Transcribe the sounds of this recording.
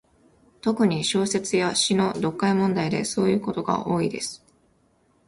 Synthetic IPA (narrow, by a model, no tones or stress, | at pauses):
t̪o̞kɯ̟ɲ̟iɕo̞ːse̞t͡sɨjaɕino̞d̪o̞kːaimõ̞nd̪aid̪e̞so̞ːjɯ̟ːko̞t̪o̞ɡa̰ʔo̞ːid̪e̞sɨ̥